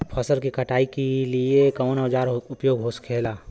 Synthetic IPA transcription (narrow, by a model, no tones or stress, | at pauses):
pʰɐsəlkikɐʈaːikeliekɐ̃nod͡ʒaːɾʊpjoːɡɦoːskʰeːlaː